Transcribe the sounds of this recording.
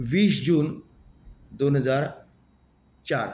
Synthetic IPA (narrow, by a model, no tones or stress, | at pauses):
ʋiːsd͡ʑuːn | d̪onɦəd͡zaɾ | t͡ɕaɾ